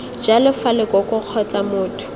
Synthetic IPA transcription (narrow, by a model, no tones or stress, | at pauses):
d͡ʒalɪfalɪkɔkʼʊq͡χʰɔt͡samʊːtʰʊ̥